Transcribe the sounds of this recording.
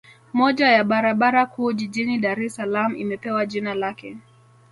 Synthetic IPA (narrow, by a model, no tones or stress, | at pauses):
mɔʄajaɓaɾaɓaɾakuːʄiʄiniɗaɾɛsalam̩uḭmɛpɛwaʄinalakɛ